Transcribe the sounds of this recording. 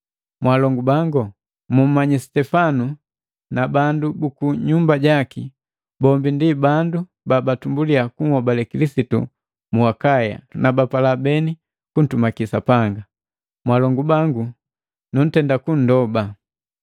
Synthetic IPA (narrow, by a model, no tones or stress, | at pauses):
mwalɔŋɡubaŋɡɔ | mum̩maɲisi̥tɛfanu | nabandubukuɲumbaɟaki | bɔmbindibandu | babatumbuliakuŋhɔbalɛkilisitṵ | muakaja̰nabapalabɛni | kun̩tumakisapaŋɡa | mwalɔŋɡubaŋɡu | nun̩tɛndakun̩dɔba